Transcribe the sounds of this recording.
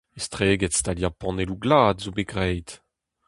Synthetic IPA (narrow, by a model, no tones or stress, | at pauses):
est̪ʁeːɡɛtst̪aljapɑ̃neluɡlaːdzobeɡʁɛjt